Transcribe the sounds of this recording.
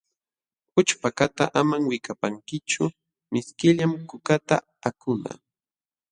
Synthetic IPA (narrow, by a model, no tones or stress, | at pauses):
pʊt͡ʃpakat̪aʔamaŋwɪkapaŋkɪt͡ʃʊ | mɪskɪʎamkʊkat̪a | akʊna̰